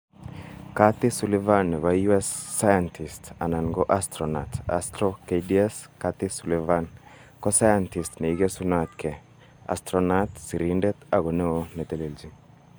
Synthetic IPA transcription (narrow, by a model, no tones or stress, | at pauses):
kat̪ːisulevanːβajuɛsːajant̪ʰist̪ananɡoʔast̪ɾona̰t̪a̰st̪ɾokediɛskat̪ːisulevan | kosajant̪ist̪neiɡesunat̪ke | a̰st̪ɾonat̪siɾindɛt̪aɡoneonet̪eleld͡ʒi